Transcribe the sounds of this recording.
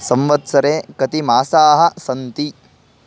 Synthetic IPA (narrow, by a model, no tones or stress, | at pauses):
sɐmʋɐt̪sɐɾeːkɐt̪imaːsaːɦɐ̆sɐnt̪i